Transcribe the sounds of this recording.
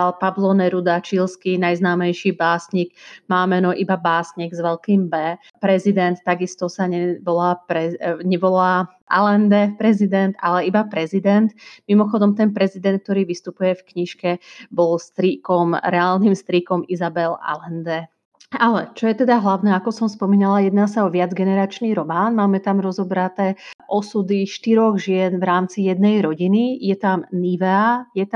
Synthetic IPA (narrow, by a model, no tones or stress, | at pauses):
alpablɔnɛɾud̪at͡ʃilskinajznaːmɛjʃiːbaːsɲiɡmaːmɛnɔʔibabaːsɲiɡzʋɛlkiːmbɛ | pɾɛzid̪ɛnt̪ːaɡist̪ɔsaɲɛʋɔlaːpɾɛɲɛʋɔlaː | ʔa̰lɛnd̪ɛpɾɛzid̪ɛnd̪a̰lɛibapɾɛzid̪ɛnt̪mimɔxɔd̪ɔmt̪ɛnpɾɛzid̪ɛnt̪̚k̚t̪ɔɾiːʋist̪upujɛfkɲiʃkɛbɔlst̪ɾikɔmɾɛaːlniːmst̪ɾikɔmizabɛla̰lɛnd̪ɛ | alɛ̰t͡ʃɔjɛt̪ɛd̪aɦlaʊnɛakɔsɔmspɔmiːnalajɛd̪naːsaɔʋɪad͡zɡɛnɛɾaːt͡ʃniːɾɔmaːnmaːmɛt̪amɾɔzɔbɾat̪ɛːʔɔsud̪iʃt̪iɾɔɣʒɪɛnvɾaːmt͡sijɛd̪nɛjɾɔɟinijɛt̪amniʋɛajɛt̪